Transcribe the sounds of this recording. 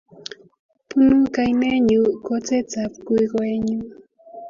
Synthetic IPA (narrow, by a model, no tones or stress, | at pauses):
pʊnukajneɲukot͡set͡sapkʊjɢeɲu